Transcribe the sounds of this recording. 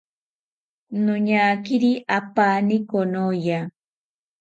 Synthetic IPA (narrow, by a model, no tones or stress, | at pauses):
nʊɲakɪɾiʔapaːnɪkonoja